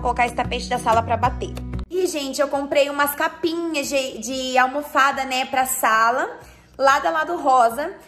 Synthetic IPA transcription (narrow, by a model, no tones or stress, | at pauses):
kolokaɪst̪apet͡ʃɪd̪ɐsalɐpɾɐbat̪eɾiʒẽnt͡ʃɪewkõmpɾejũmɐskapĩɲɐzd͡ʒɪd͡ʒɪawmofad̪ɐnɛpɾɐsalɐ | lad̪ɐlad̪ʊɦɔzɐ